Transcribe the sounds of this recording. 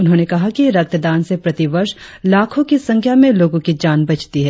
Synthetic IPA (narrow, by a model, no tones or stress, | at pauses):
ʊnɦõnekɐɦakiɾɐk̚t̪d̪aːnsepɾɐt̪iʋɐɾʃ | laːkʰõkisɐ̃ŋkʰjamẽloːɡõkid͡ʒaːnbɐt͡ʃt̪iɦɛː